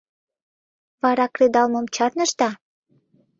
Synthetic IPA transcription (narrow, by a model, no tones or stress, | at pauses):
βɑɾɑkred̪ɑlmomt͡ɕɑrnə̆ʃt̪ɑ